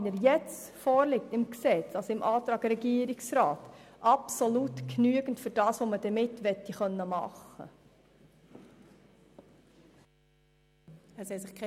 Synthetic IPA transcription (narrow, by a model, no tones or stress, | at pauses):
nəɾjɛt͡s | fɔːɾlɪk̚tɪmksɛt͡sɑsɪmʔɑːt̪ɾɑːɡ̥ɾɛɡiəɾiksɾaːtʔɑpsolutknyəɡ̥ən̩tfʏɾd̥ɑːsʋoməd̥ɛmɪtːʋɛtːiχœnːəmɑ̰χə̰ | ɛsɛsɪχkʰ